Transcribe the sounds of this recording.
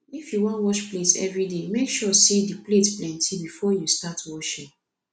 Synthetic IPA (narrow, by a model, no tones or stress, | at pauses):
ifjuwɔ̃ntwɔʃpletɛ̰vɹidemekʃɔsidipletplɛ̃ntʰibifɔjustatwɔʃĩŋ